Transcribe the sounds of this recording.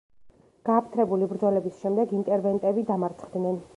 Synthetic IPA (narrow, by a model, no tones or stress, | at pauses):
ɡ̥aːpʰt̪ʰɾɛbulibɾd̪zɔlɛbisʃɛmd̪ɛɡint̪ʼɛɾvɛnt̪ʼɛbid̪amaɾt̪sʰχd̪nɛn